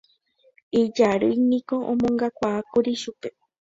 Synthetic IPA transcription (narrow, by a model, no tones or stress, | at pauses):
id͡ʒaɾɨjnĩkoʔõmõŋɡakʷaːkuɾiʃupe